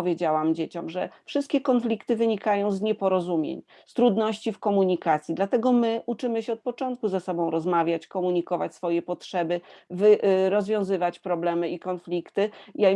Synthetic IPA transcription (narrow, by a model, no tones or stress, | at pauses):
ɔvʲjed͡ʑawamd͡ʑet͡ɕɔmʐɛfʂɘst̪̚kʲɛkɔnflʲikt̪ɘvɘɲikajɔ̃w̃zɲɛpɔɾɔzumʲjḛɲ | st̪ɾud̪nɔɕt͡ɕifkɔmuɲikat̪sʲjid̪lat̪ɛɡɔmɘʔut͡ʂɘmɘɕɛɔt̪̚pɔt͡ʂɔnt̪̚kuzasɔbɔ̃w̃ɾɔzmavʲjat͡ɕkɔmuɲikɔva̰t͡ɕsfɔjɛpɔtʂɛbɘvɘɾɔzvʲjɔ̃w̃zɘvat͡ɕpɾɔblɛmɘikɔnflʲikt̪ɘja